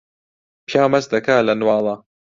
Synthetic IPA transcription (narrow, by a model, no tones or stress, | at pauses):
pjaːmɐsd̪ɐkaːlɐnwɑːlˤɑ